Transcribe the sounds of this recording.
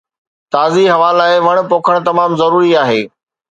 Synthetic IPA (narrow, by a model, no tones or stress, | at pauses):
t̪aːziɦɐʋaːlaːɪʋɐɽ̃poːkʰəɽ̃t̪ɐmaːmzɐɾuːɾiaːɦeː